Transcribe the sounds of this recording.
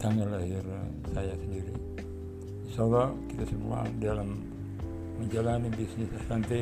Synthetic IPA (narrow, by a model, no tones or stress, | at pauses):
t̪aŋalaɦɪr | sajasəndiɾi | salakit̪asəmṵa̰dalamː | əɲd͡ʒalanibisnisasant̪e